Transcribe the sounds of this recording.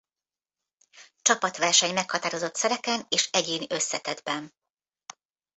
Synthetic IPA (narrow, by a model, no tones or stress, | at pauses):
t͡ʃɒpɒt̪ʋɛrʃɛɲmɛkhɒt̪aːɾo̞zo̞t̪sɛɾɛkɛneːʃɛɟeːniʔøsːɛt̪ɛd̪bɛn